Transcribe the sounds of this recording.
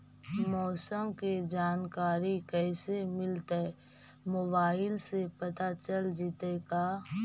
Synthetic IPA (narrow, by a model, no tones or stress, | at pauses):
mɔːsəmked͡ʒaːnkaːɾikɛːsemɪlt̪e | mobaːɪlsepɐt̪at͡ʃəld͡ʒɪt̪ekaː